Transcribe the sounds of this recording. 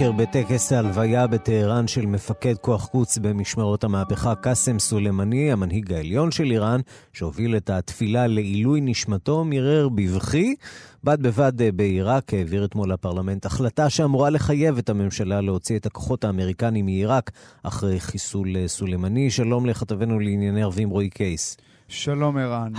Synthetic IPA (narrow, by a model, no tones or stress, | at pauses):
eʁbetekesaːlvajabeteheʁanʃe̞lme̞fake̞dkoaχkut͡sbe̞miʃmaʁo̞thamaːpeχakasemsulemanihamanɦiɡaeljo̞nʃe̞liʁan | ʃeovile̞tatfilale̞ilujniʃmato̞miʁeʁbivχibad̚be̞vadbeiʁakheːviʁetmo̞lapaʁlame̞ntaχlataʃeamuʁale̞χaje̞ve̞tame̞mʃalale̞o̞t͡sietako̞̥χo̞taːme̞ʁikanimiiʁaka̰χʁejχisulsulejmaniʃalo̞mle̞χat̪ave̞nuleinjaneaʁvimʁoikʰejs | ʃalo̞meʁan